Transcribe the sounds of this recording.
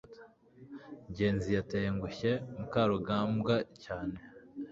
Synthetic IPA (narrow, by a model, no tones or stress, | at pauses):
ɲɟe̞ːnzijateːŋɡuçemukaːɾuɡaːmbɡacaːne̞